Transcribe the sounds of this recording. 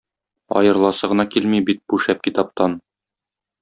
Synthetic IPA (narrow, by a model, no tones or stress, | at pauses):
ɒ̰jɤ̆ɾlˠɑsɤʁɤ̆nɑkilmibit̪̚buʃæp̚kit̪ɑp̚t̪ɑn